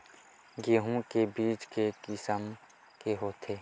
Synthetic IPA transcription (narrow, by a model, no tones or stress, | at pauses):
ɡeːɦũkebiːt͡ʃkekɪsəm | keɦoːt̪ʰeː